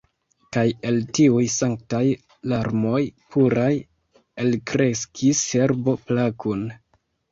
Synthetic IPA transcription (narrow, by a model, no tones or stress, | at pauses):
kaje̞ltiujsaŋk̚taj | laɾmo̞jpʰuɾaj | elkɾe̞skʰise̞ɾbo̞plakun